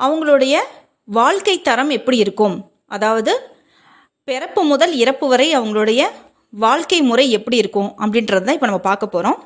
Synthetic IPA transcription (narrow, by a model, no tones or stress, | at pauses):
ʔɐʋɐŋɡɐɭɯɽɐjɐ | ʋaːɭkɐɪt̪ːɐɾɐmɛpːɐɽiɪɾɯkːɯm | ʔɐðaːʋɐðɯ | pɛɾɐpːɯmʊðɐlɪɾɐpːɯʋɐɾɐɪɐʋɐŋɡɐɭɯɽɐjɐ | ʋaːɭkɐɪmʊɾɐɪɛpːɐɽiɪɾɯkːʊ̃ʔɐpːɐɽɪnɾɐðɯt̪aːɪpːoːnɐmːɐpaːɾkɐpːoːɾõː